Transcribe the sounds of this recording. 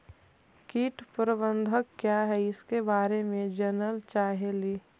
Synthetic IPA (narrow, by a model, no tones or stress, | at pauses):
kiːʈpɾəbə̃nd̪ʱəkːjaɦɛɪskebaːɾemẽd͡ʒənəlt͡ʃaːɦeliː